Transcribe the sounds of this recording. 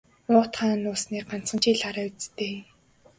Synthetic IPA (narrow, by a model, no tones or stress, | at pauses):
ʊːt̪χaːnːʊːsniːk̚ɢan̥t͡sɢə̆nt͡ɕiːɮaɾaːut͡st̪eː